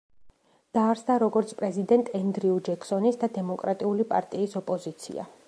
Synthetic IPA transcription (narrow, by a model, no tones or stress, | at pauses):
d̪̥aːɾsd̪aɾɔɡɔɾt̪sʰpʼɾɛzid̪ɛnt̪ʼɛnd̪ɾiud͡ʒɛksɔnisd̪ad̪ɛmɔkʼɾat̪ʼiulipʼa̰ɾt̪ʼiːsɔpʼɔzit̪sʰḭa̰